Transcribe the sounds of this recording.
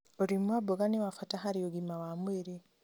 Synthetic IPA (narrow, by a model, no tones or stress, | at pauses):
oɾimwaboɡanewafataɦaɾioɡimawamweɾe